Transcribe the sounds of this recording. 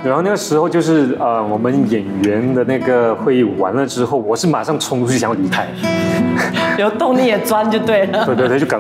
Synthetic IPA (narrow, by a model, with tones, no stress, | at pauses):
ɻa˧˥nxna˥˩ɡə˩ʂɻ̩˧˥xo˥˧ʊt͡ɕjo˥˧ʊʂɻ̩˥˩ə˧wɔ˨˩mə˦njɛ˨˩nɥɛ˧˥nd̪ə˧˨na˥˩ɡə˩xwe˥˧ɪi˥˩wa̰˧˥nlə˧ʈ͡ʂɻ̩˥xo˥˩ʊwɔ˨˩ʂɻ̩˥˩ma˨˩ʂɑ˥˩ŋʈ͡ʂʰʊ˧˥ŋt̪ʰu˥t͡ɕʰy˥˩jɑ˧˥˩li˧˥kʰa˥ɪ | jo˧˩˦ʊt̪ʊ˥˧ŋli˥˩jɛ˨˩t͡swa˥nt͡ɕjo˥˧ʊt̪we˥˩ɪlə˩˧e˥˧wt̪t͡ɕka˨˩